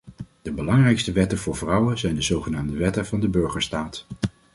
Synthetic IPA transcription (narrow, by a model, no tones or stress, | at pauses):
d̥əbəlɑŋrɛjkstəʋɛtəv̥ʊːɹvrʌwənzɛjndəzowχənaːmdəʋɛtənvɑndəbøɹχəɹstaːt